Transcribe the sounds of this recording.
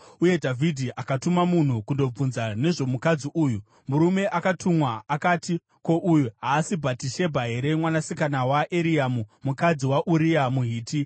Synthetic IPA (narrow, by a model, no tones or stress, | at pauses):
uje̞dʱavʱidʱiʔakatumamun̤ukundo̞b͡vunzane̞ʐo̞mukad͡ziʔuːju | muɾume̞ʔakatʰumwaːkaːti | ko̞ʔujuɦaːsibʱatiʃe̞bʱaɦe̞ɾe̞mwanasikanawaʔeɾiamumukad͡ziwaʔuɾiamuɦiːti